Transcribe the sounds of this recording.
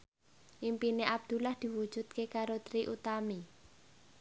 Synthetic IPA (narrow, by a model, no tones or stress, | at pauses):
ʔimpineʔab̚d̪̥ulahd̪̥i̤wud̥ʒ̥ṳt̪̚kekaɾot̪ɾiʔut̪ami